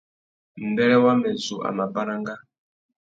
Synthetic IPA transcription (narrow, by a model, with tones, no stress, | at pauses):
m̩˨bɛ˦lɛ˦wa˦mɛ˨zu˨ʔa̰˨ma˨ba˦ɾa˦ŋɡa˦